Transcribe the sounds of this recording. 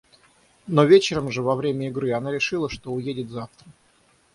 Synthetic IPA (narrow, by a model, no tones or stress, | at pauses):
no̞vʲet͡ɕɪɾəmʐɨvɐvɾʲemʲəɪɡɾɨanaɾʲɪʂɨlˠəʂt̪o̞ʊjedʲɪt̪zaft̪ɾə